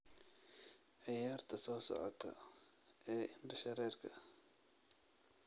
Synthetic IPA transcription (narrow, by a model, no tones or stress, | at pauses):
ʕɑjaːrt̪ʰɐsɔːsɔ̰ʕɔ̰t̪ʰɐ̰ | ɛːʔɪndɐʃɐɾɛːrkʰɐ̰